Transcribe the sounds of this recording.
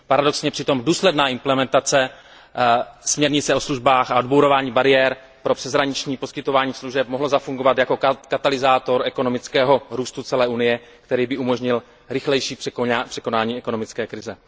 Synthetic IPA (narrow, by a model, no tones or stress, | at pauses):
paɾado̞ksɲɛpr̥ɪt̪o̞mduːslɛdnaːʔɪmplɛmɛnt̪at͡sɛ | smɲɛɾɲɪt͡sɛosluʒbaːxaodbowɾo̞vaːɲiːbaɾɪjɛːɾ | pɾo̞pr̥ɛzɦɾaɲɪt͡ʃɲiːposkɪt̪o̞vaːɲiːsluʒɛp̚moɦlozafuŋɡo̞vat̪jako̞kat̪alɪzaːt̪o̞ɾʔɛko̞no̞mɪt͡skɛːɦo̞ɾuːst̪ut͡sɛlɛːʔunɪjɛ | kt̪ɛɾiːbɪʔumo̞ʒɲɪl | ɾɪxlɛjʃiːprpr̥ɛko̞naːɲiːɛko̞no̞mɪt͡skɛːkɾɪzɛ